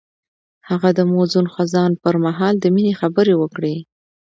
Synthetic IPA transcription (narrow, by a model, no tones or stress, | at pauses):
haɣad̪əmozunxwazɑnpəɾmaɦɑld̪əminexabəɾewəkɽe